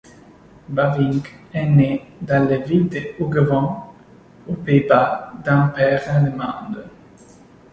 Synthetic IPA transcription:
bavĩŋkɛned̪ɑ̃levild̪əuɡəvɑ̃ | opeibad̪ɛ̃pɛʁɛ̃lemɑ̰̃d̪ə

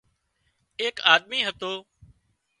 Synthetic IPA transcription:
eːkaːd̪miːɦət̪oː

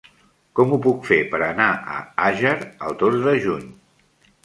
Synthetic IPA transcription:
kɔmupukfepəɾənaʔə̰aʒəɾəlˠd̪ozðəʒuɲ

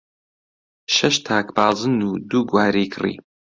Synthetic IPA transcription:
ʃɐʃt̪ʰaːkbaːzɨnuːd̪uːɡwaːɾiːkʰɨrḭː

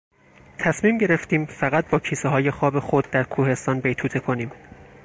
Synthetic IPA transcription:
t̪ʰæsmiːmɟe̞ɾeft̪iːmfæɣæt̪̚bɒːcʰiːseɦɒːje̞xɒːbe̞xo̞d̪̚ːæɾkʰuːhe̞st̪ɒːnbe̞jt̪ʰuːt̪ʰe̞kʰo̞niːm

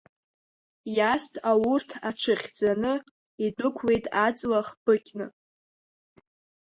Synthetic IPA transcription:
jastʰawʊrtʰaʈ͡ʂʰɨχʲd͡zanɨ | idʼʊkʷʰwe̞jtʼat͡sʼlaχb̥ɨkʲnɨ

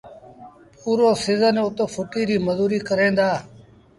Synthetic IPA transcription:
puːɾoːsɪzənʊt̪oːfʰʊʈiːɾiːməzuːɾiːkəɾẽːnd̪aː

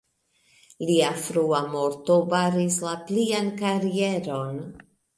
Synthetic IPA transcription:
liafɾuamo̞ɾto̞baɾislapliankaɾie̞ɾo̞n

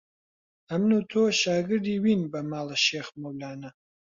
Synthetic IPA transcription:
ɐmnuːt̪ʰoːʃaːɡɨɾd̪iːwiːnbɐmaːlɐʃeːxmowlaːnɐ

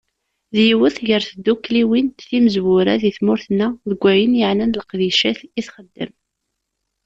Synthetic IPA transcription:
ðjiwəθʝəɾθd̪ːukːliwint̪θiməzwʊɾaðiθmʊɾθnːæðəɡʷːæjənjəʕnænləqðiʃæθiθχəd̪ːə̰m

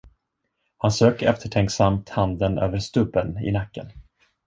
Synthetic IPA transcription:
hansøːkɛft̪ʰəʈʰɛŋksamt̪hand̪ənø̰ːvəɾst̪ɵbːənɪ̰nakːə̰n

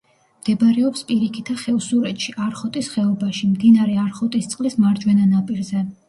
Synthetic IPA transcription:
md̪̥ɛbɾɛɔpspʼiɾikʰit̪ʰaχɛusuɾɛt̪ʃiʔaɾχɔt̪ʼisχɛɔbaʃimd̪inaɾɛaɾχɔt̪ʼist̪sʼqʼlismaɾd͡ʒwɛnanapʼiɾzɛ

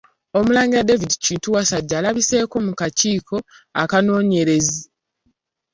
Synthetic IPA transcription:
o̞mulaːɲɡiwadevidiciːntuwasaɟːaːlaβise̞ːko̞mukaciːkʰo̞akano̞ːɲe̞ɾe̞zi

